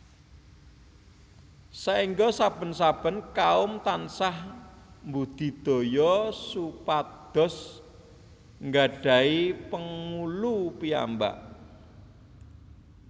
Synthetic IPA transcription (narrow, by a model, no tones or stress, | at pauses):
saiŋɡɔsab̥ə̤nsab̥ə̤nkaʊmt̪ansah | mbud̪̥i̤d̪̥o̤jɔsupat̪̚d̪̥ɔ̤s | ŋɡaɖ̥ä̤ipəŋulupia̰mba̰ʔ